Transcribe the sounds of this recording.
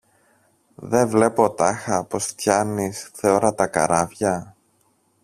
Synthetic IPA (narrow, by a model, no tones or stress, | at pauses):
ðe̞ɱvle̞po̞t̪ɐxɐpo̞st̪çɐnisθeo̞ɾɐt̪ɐkɐ̰ɾɐvʝɐ